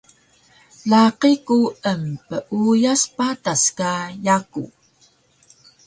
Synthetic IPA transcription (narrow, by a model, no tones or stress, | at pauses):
laqikuəmpəʔujaspataskajakṵ